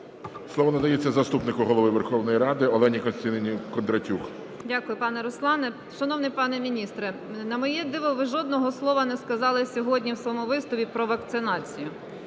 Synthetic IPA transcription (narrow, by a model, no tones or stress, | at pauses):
sˠɔʋɔnɐd̪ɐjet͡sʲːɐzɐst̪upnɪkʊɦɔlˠɔʋɪʋerxɔwnɔjiɾɑd̪ɪɔlˠɛnʲikɔnst̪ɐnɪnʲikɔnd̪ɾɐtʲux | dʲakʊjʊpɑnɛɾʊslˠɑnɛ | ʃɐnɔwnɪpɑnɛmʲinʲist̪ɾɛ | nɐmɔjɛd̪ɪʋɔʋɪʒɔd̪nɔɦɔslˠɔʋɐnɛskɐzɑlˠɪsʲɔɦɔdʲnʲiwsʋɔmuʋɪst̪ʊʋʲipɾɔʋɐkt̪sɪnɑt͡sʲijʊ